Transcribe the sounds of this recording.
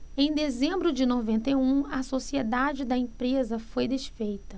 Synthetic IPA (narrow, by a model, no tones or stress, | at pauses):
ẽj̃d̪ezẽmbɾʊd͡ʒɪnovẽnt̪ejũɐsosied̪ad͡ʒɪd̪ɐẽpɾezɐfojd̪eʃfejt̪ɐ